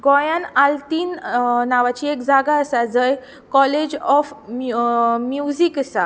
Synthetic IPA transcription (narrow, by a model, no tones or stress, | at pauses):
ɡɔjãnalt̪iːnnaʋat͡ɕiːekd͡zaɡaəsad͡zəj | kɔled͡ʑɔf | mjuziksa